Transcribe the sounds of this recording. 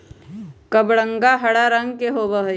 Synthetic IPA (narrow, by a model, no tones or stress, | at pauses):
kəbɽə̃ŋɡaɦɐɽaɾə̃ŋɡkeɦobəɦ